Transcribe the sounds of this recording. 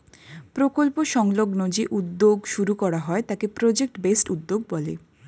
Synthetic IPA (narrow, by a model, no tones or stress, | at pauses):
pɾokolpoʃɔŋloɡnod͡ʑeʔud̪ːoɡʃuɾukɔɾaɦɔet̪akepɾod͡ʑek̚ʈbesʈud̪ːoɡ̚bɔlḛ